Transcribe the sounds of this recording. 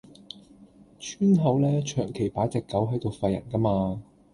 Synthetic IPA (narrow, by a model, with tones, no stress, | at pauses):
t͡ʃʰyː˥nɦɐ˨˥wlɛː˥t͡ʃʰœː˨˩ŋkʰe˨˩jpaː˨˥t͡sɛː˨kːɐ˨˥wɦɐ˨˥jt̪o˨˧wfɐ˧jːɐ̰˨˩nkɐ˥maː˧